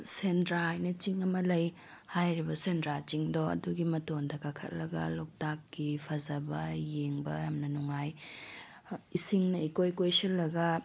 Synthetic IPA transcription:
sendɾajnɐt͡ʃiŋɐmɐlɐj | hajɾibɐsendɾat͡ʃiŋdoɐ̰duɡimɐtondɐkakʰɐ̰t̚lɐɡɐ̰lok̚takːipʰɐzɐbɐjeŋbɐjamnɐnuŋaj | isiŋnɐikojkojsilːɐɡɐ

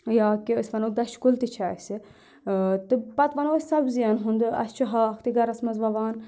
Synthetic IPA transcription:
jaːkiəsʋɐnok̚d̪ɐt͡ʃkult̪it͡ʃʰaːsi | t̪ɨpɐt̪ʋɐnoːsɐbzijɐnɦund̪ɨɐ̰st͡ʃʰiɦaːxt̪iɡɐɾɐsmɐzʋɐʋaːn

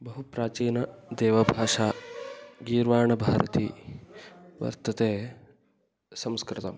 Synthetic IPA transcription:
bɐɦupɾaːt͡ʃiːnɐd̪eːʋɐbʱaːʂaː | ɡiːɾʋaːɳɐbʱaːɾɐ̰t̪iː | ʋɐ̰ɾt̪ɐt̪eː | sɐmskɾɪt̪ɐ̰m

